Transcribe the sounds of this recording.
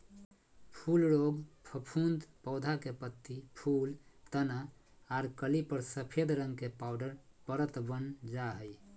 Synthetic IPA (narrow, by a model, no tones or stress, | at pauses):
pʰulɾoɡpʰəpʰund̪pɔʊd̪ʱakepət̪ːipʰult̪ənaaɾkəlipəɾsəpʰed̪ɾəŋɡkepaʊɖəɾpəɾət̪bənd͡ʒaɦəj